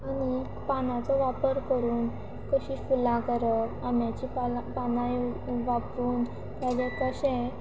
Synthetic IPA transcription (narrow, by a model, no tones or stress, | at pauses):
añi | panat͡sɔʋapəɾkəɾuːn | kəɕiːfulãkəɾəam̤jat͡ɕipapanãjʋapuːn | t̪jad͡ʑẽkəɕɛ̃